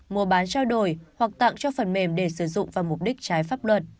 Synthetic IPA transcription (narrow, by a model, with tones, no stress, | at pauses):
mu˨˩əɓaː˨˦nt͡ɕaː˧wɗo˧˩jhwa˨˩k̚t̪a̰˧˨ŋt͡ɕɔ˧fə˨˩nme˧˩mɗe˧˩sɨ˧˩zʊ̰˧˨ŋ͡mvaː˨˩wmʊ˨˩p̚ɗï˦˥k̚t͡ɕaː˨˦jfaː˦˥p̚lwə˨˩t̚